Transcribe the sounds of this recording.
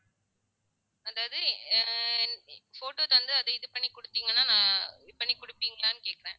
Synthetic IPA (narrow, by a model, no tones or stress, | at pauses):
ɐðaːʋɐðɯ | foːʈoːt̪ɐʋɐnd̪ɯɐðɐɪðɯpɐɳːikʊɽɯt̪ːiːŋɡɐnːaːnãːpɐɳːikʊɽɪpːiːŋɡɐlaːnɯkeːkɐɾẽː